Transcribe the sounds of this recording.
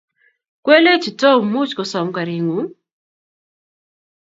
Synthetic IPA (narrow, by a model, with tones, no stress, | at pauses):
kwe˦le˦t͡ʃi˨tɔ˦mu˦t͡ʃkɔ˨sɔ˨mka˨ɾi˨ŋu˨˦